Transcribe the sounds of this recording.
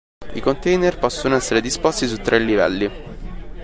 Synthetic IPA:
ikont̪ɛjnerpɔsːonoɛsːeɾed̪ispɔst̪isut̪ːɾʔelːivɛ̰lːi

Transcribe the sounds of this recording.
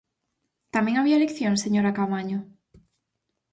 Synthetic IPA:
t̪amẽŋaβialekθjoŋseɲoɾakamaɲʊ

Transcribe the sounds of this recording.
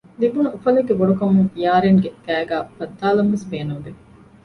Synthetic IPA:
libunuufɐleɡːeboɖukɐmuŋijaːɾeŋɡeɡæːɡæːbɐt̪ːaːlɐmʋesbeːnuŋɡe

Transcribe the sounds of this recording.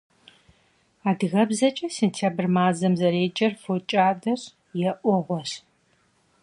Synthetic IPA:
aːdɣɐbzɐt͡ʃʼɐseːntʰjaːbɨrmaːzɐmzɐɾeːd͡ʒʼɐrfot͡ʃʼaːdɐɕ | jɛʔʷɔʁʷɔɕ

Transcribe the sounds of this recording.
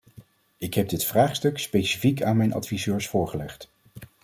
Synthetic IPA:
ɪkɦɛb̚dɪtfraːχstɵkspejsi̥fikaːnmɛjnɑ̰tfizøːɹsfʊːɹχəlɛχt

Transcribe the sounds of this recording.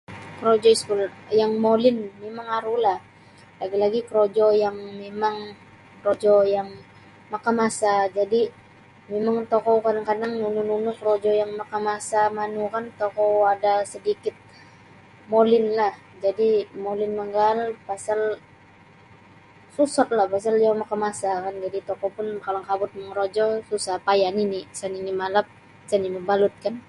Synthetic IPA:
kəɾod͡ʒɔiskuljaŋmolɪnmemaŋaɾulah | laɡilaɡikɾod͡ʒɔjaŋmemaŋ | kɾod͡ʒɔjaŋ | makamasad͡ʒadi | memaŋt̪okɔkadaŋkadaŋnunununukɾod͡ʒɔjaŋmakamasamanukant̪okɔadasədikɪt̪̚ | molɪnlah | d͡ʒadimolɪnməŋɡalpasal | susɔt̪̚lahpas̬aljamakamasakand͡ʒadit̪ɔkɔpʊnkalaŋkabʊt̪̚məŋɾod͡ʒɔsusahpajaninisaninimalap̚ | saniməbalʊt̪̚kan

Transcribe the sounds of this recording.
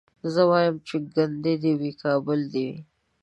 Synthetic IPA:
zəwɑjəmt͡ʃeɡand̪ed̪iwikɑbʊld̪iwḭ

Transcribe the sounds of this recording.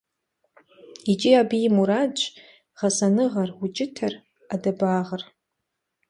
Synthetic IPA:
it͡ʃʼiabijmuɾad͡ʒ | ʁɐsanɨʁɐrut͡ʃʼɪtʰɐr | adabaːʁər

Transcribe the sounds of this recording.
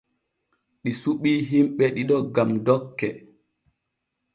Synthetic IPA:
ɗisuɓiːɦimɓɛɗiɗɔɡamdɔkːɛ

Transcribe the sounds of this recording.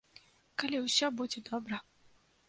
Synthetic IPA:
kalʲiwsʲɔbud͡zʲɛd̪ɔbɾɐ

